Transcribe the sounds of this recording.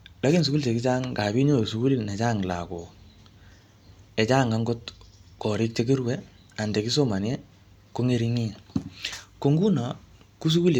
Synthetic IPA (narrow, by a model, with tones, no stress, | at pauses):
la˨˦ki˦ns̬u˨klte˨ki˦t͡ʃa˦ŋka˨bi˦ɲo˦˨s̬u˨˦ku˦li˦ne˨t͡ʃaː˦˨ŋla̰˨ko˨ | ɛ˨t͡ʃaː˦˨ŋɡa˦ŋɡo˦tkɔ˨ɾɪ˦k̚t͡ʃe˦k̬i˦ɾwɛ˦ | a˨nde˨ki˦s̬o˦ma˨ne˦ | ko˦ŋe˦ɾi˦ŋi˦˨ | ko˨ŋɡu˦na˨ | ku˦s̬u˦ku˦l